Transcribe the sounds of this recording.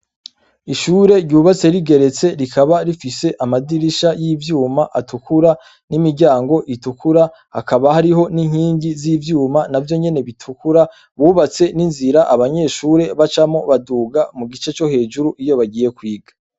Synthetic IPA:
iʃuːɾe̞ɾɟɟuːβat͡se̞ɾiɡe̞ɾe̞t͡se̞ɾikʰaβaɾifise̞ʔamadiɾiʃajiːvjuːmaʔatukʰuɾa | nimiɟaːŋɡo̞ʔitukʰuɾa | ha̰kʰaβahaɾiɦo̞niŋ̥hiːɲɟizivjuːmanavjo̞ɲe̞ne̞βitʰukuɾa | βuːβat͡se̞ninziɾaʔaβaɲe̞ːʃuːɾe̞βat͡ʃamo̞βaduːɡamuɡit͡ʃe̞t͡ʃo̞he̞ːʒuɾuʔijo̞βaɟiːje̞kwiːɡa

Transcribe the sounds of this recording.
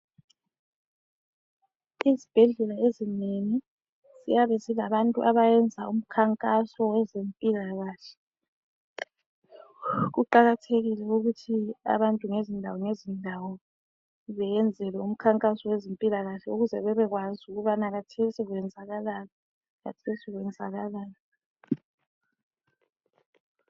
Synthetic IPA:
izib̥ʱɛɮɛlaezineni | z̥ḭjaβɛzilaβantʼuʔaβajɛnd͡zʱaum̩kʰaŋkʼasɔwɛzempʼilaɣaːɬɛ̥ | ɣuǃaɣatʰeɣilɛuɣutʰia̰βantʼuŋezindʱawɔŋezindʱawɔ | βɛjɛnd͡zʱɛlɛum̩kʰaŋkʼasɔwezempʼilaɣaɬɛuɣuzɛβɛβɛɣwazuɣuβanaɣatʰesiɣwɛnd͡zʱaɣalalɔ | ɣa̰tʰesiɣwɛnd͡zʱaɣalaːlɔ

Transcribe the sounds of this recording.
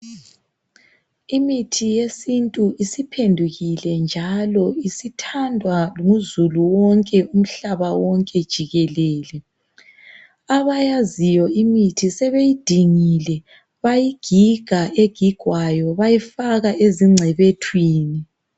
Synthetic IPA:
imitʰijesintʼuʔisipʰendʱuɣilɛnd͡ʒʱalɔisitʰandʱwaŋuzuluwɔŋkʼɛum̩ɬaβawɔŋkʼɛd̥ʒ̥ʱiɣɛlɛːlɛ | aβajazijɔimitʰisɛβejid̥ʱiŋilɛ | βajiɡ̥ʱiɡ̥ʱaeɡ̥ʱiɡ̥ʱwajɔβajifaɣaʔeziŋ͡ǀʱɛβetʰwiːni

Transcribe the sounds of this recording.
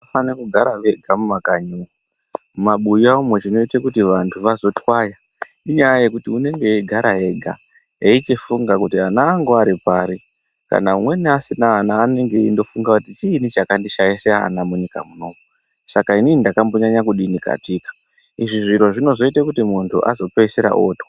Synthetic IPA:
fanekuɡʱaɾaʋeɡʱamumakaɲuu | maɓuiaumwet͡ʃino̞itakutiʋantʰuʋazo̞twaja | iɲajaje̞kutiune̞ŋɡe̞iɡʱaɾaɦe̞ɡʱa̰ | eit͡ʃifuŋɡakutianaːŋɡoaɾipaɾi | ka̰naumwe̞niasinaːnaːne̞ŋɡe̞indo̞fuŋɡakutit͡ʃiːnit͡ʃakandiʃajisea̰namuɲika̰munomu | sakainindakambo̞ɲaɲakuɗinika̰tikḁ | iʐiʐiɾo̞ʐino̞zo̞itakutimuntʰṵʔa̰zo̞peiseɾa̰ʔo̰ːtwa

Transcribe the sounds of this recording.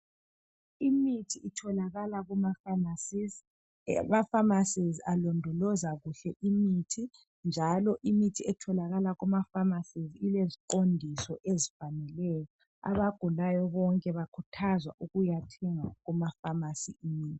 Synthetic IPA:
imitʰiitʰɔlaɣalaɣumafamasiz | mafamasizialɔndʱɔlɔzaɣuɬɛʔimitʰi | nd͡ʒʱalɔʔimitʰiɛtʰɔlaɣalaɣumafamasizilezikondʱisɔʔezifanɛlɛjɔ | a̰βaɡ̥ʱulajɔβɔŋkʼɛβakʰutʰazwa̰ʔuɣujatʰɛŋaɣumafamasiimiːtʰi̥

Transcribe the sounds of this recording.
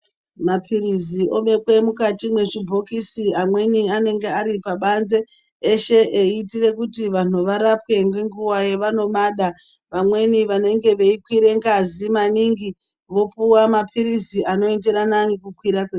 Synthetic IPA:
mapʰiriziʔo̞ɓe̞kwe̞mukatimwe̞ʐibʱo̞kisiamwe̞niane̞ŋɡe̞aɾipaɓanze̞ː | ʃe̞ʔeːtire̞kutiʋan̤uʋaɾapwe̞ŋɡweŋɡuwaje̞ʋano̞maɗa | ʋamwe̞niʋane̞ŋɡe̞ʋe̞ikwiɾe̞ŋɡazimaniŋɡi | ʋo̞puwamapʰiɾiziʔano̞ende̞ɾananikukwiɾakwe

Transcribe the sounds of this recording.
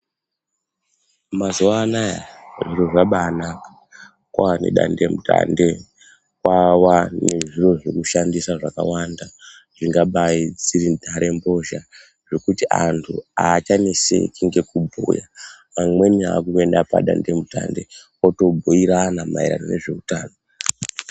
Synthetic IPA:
mazuaːnaja̰ʐiro̞ʐaɓaːnakḁ | kwawanḛɗa̰nde̞muta̰nde | kwawaneʐiro̞ʐekuʃandisaʐaka̰wanda | ʐ̥iŋɡaɓaid͡ziɾidʱaɾʔe̞mbo̞ʒa | ʐe̞kutiʔantʰuat͡ʃanisḛkiŋɡe̞kubʱṵja̰ | amwe̞nia̰kuendapa̰ɗa̰nde̞muta̰nde̞̰ | oto̞bʱoiɾanama̰iɾa̰no̰ne̞ʐe̞utaːno

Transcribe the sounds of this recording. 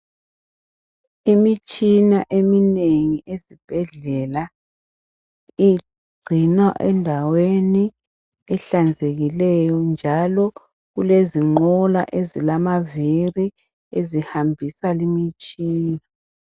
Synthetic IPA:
imit͡ʃʼinaʔemineŋiʔezib̥ʱɛɮɛla | i | inaʔɛndʱaweni | ɛɬand͡zʱeɣilɛjɔnd͡ʒʱalɔ | ɣuleziŋ͡ǃɔla̰ʔezilamaviri | ezihambʱisalimit͡ʃʼiːna

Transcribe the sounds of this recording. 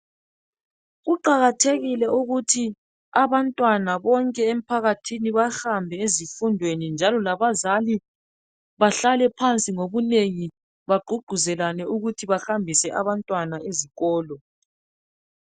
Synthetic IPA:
ɣuǃaɣatʰeɣilɛuɣutʰi | aβantʼwanaβɔŋkʼɛem̩pʰaɣatʰiniβaxambʱɛezifundʱwenind͡ʒʱalɔlaβazali | βaɬalɛpʰant͡sʼiŋoβuneŋi | βaɡ͡ǃʱuɡ͡ǃ̥ʱuzɛlanɛuɣutʰiβaxambʱisɛʔa̰βantʼwanaeziɣɔːlɔ

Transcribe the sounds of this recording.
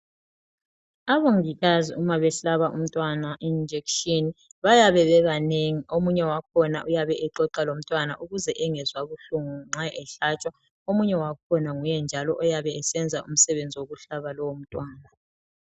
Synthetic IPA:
aβoŋiɣaziumaβɛɬaβaʔum̩tʼwanaʔind͡ʒʱekʃiniβajaβɛβɛɣaneŋiomuɲɛwakʰɔnaʔujaβɛʔɛǃɔǃalom̩tʼwanaʔuɣuzɛʔɛŋɛzwaβuɬuŋuŋ͡ǁaɛɬat͡ʃʼwa | omuɲɛwakʰɔnaŋujɛnd͡ʒʱalɔʔɔjaβɛɛsɛnd͡zʱaum̩sɛβend͡zʱiwoɣuɬaβalɔwom̩tʼwaːna

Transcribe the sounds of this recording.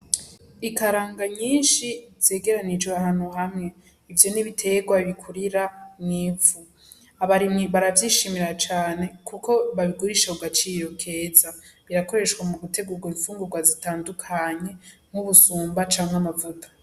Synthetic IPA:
ikaɾaːŋɡaɲiːnʃiz̥e̞ːɡe̞ɾanid͡ʒweahaːn̥huɦamŋe̞ | ivjo̞niβitʰe̞ɡwaβikʰuɾiɾanŋiːvu | aβaɾimŋiβaɾavjiːʃimiɾat͡ʃaːne̞kuko̞βaβiɡuɾiʃakuɡat͡ʃiːɾo̞kʰe̞ːzaβiɾako̞ɾe̞ʃɡwamuɡute̞ɡuɾɡwiɱfuːŋɡuɾɡwazitaːndukʰaɲe̞ŋ̥huβusuːmbat͡ʃaːŋeamavutʰḁ

